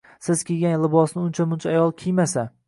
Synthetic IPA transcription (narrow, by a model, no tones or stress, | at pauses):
sɪz̥kʲʰeɡʲanlɪbɒsnɪʊnt͡ʃʰamʊnt͡ʃʰaːjɒlˠkʲʰijmasa